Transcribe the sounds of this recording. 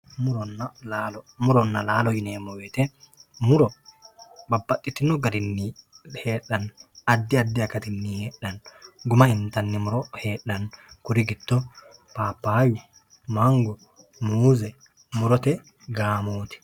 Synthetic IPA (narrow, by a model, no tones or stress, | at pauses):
mʊɾɔnːalaːlɔmʊɾɔnːɐlaːlɔjɪneːmːɔweːt̪ɛmʊɾɔ | bɐbːɐtʼːɪt̪ːɪnɔɡɐɾɪnːiheːɗɐnɐd̪ːɪad̪ːɪɐkɐt̪ɪnːiheːɗːɐnɡʊmɐɪnt̪ɐnːɪmʊɾɔheːɗːɐnkʊɾɪɡɪt̪ːɔpaːpːaːwɪ | maŋɡɔ | muːzɛ | mʊɾɔt̪ɛ | ɡaːmoːt̪ɪ̥